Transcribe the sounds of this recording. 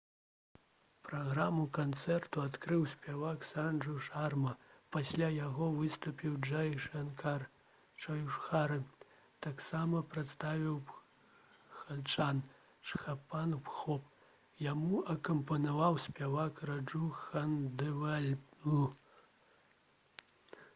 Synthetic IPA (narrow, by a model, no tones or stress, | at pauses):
pɾaɣɾamukant̪sɛrt̪uat̪kɾɨwsʲpʲavaksanʐuʂarmɐpasʲlʲajaɣɔvɨst̪upʲiwd͡ʒajnka | t͡ʃɐjuʂxaɾɨ | t̪aksamɐpɾɨt̪st̪avʲiw | xalʲt͡ʂan | ʂxapanpxɔp | jamuɐkɐmpɐnavawsʲpʲavakrad͡ʐuxɐnd̪ɛvɛlʲu